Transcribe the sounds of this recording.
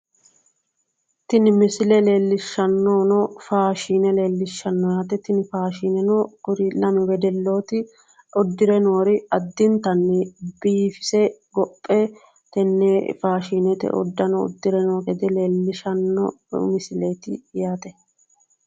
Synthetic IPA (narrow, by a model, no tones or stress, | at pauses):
t̪ɪnɪmɪsɪlɛle̞ːlːɪʃːɐnːoːnɔfaːʃiːnɛle̞ːlːɪʃːɐnːɔjaːt̪ɛt̪ɪnɪfaːʃiːnɛnokʊɾɪlɐmɪwɛd̪ɛlːo̞ːt̪ɪ | ʔɔd̪ːɪɾɛno̞ːɾɪɐd̪ːɪnt̪ɐnːɪbiːfɪ̥sɛɡɔpʼːɛ | t̪ɛnːefaːʃiːnɛt̪ɛ̰ʔɔ̰d̪ːɐnɔ̰ːd̪ːɪɾɛnoːkɛd̪ɛle̞ːlːɪʃɐnːɔ | mɪsɪleːt̪ɪ̰jaːt̪ɛ